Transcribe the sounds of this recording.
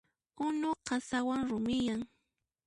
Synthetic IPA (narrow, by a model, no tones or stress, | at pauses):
ʊnoqɑsawaŋɾʊmɪjaŋ